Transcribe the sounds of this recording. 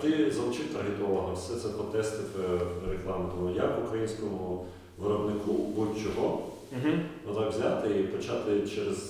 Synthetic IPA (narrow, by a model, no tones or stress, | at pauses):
t̪ɪzɐlˠʊt͡ʃɪt̪ɐrɦɪt̪ɔʋɐɦɔwsɛt̪sɛpɾɔt̪ɛst̪ɪfreklˠɑmt̪ɔmʊjakʋʊkɾɐjinʲsʲkɔmʊ | ʋɪɾɔbnɪkubɔdʲt͡ʃɔɦɔ | ɦnɔt̪ɑkʋzʲat̪ɪipɔt͡ʃɑt̪ɪt͡ʃɛɾez